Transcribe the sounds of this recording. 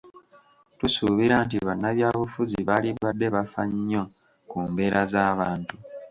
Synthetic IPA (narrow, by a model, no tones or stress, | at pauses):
tusuβiɾaːntiβanːaβjaːβufuziβaliβadːe̞βafa̰ɲːo̞ | kuːmbe̞ːɾazaːβaːntu